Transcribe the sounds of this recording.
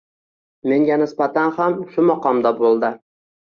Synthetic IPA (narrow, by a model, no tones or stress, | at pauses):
me̞ŋɡʲanɪsbat̪ʰanhamʃʊmɒqɒmd̪abolˠd̪ɪ